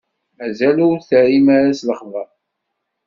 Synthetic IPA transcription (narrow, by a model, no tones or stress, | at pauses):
mæzælʊɾθəɾimaɾæsləχvəɾˤ